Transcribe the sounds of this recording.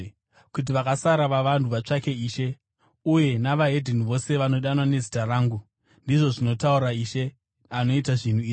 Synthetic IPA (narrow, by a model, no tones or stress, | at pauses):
kut̬iʋakasaɾaʋaʋantuʋat͡ʂake̞iːʃe̞ | uje̞naʋaɦe̞dʱiniʋo̞se̞ʋano̞ɗanwane̞zitaraːŋɡu | ndiʐo̞ʐino̞tauɾaiʃe̞ | ano̞itaʐin̤uiː